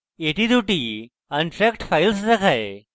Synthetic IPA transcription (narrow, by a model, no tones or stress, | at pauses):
eʈid̪uʈi | kanʈɾɛkʈfailsd̪əkʰae